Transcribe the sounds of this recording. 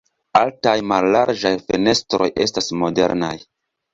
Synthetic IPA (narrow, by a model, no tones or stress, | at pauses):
altajmalːaɾd͡ʒajfene̞stɾo̞jʔe̞̰stasmo̞de̞̰ɾna̰j